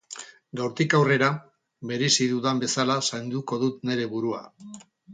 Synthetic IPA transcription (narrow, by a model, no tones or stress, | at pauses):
d̪owɾt̪ikawre̞ɾa | βe̞ɾesiðuðambe̞salasajnd̪uko̞ðut̪ne̞ɾe̞βuɾua̰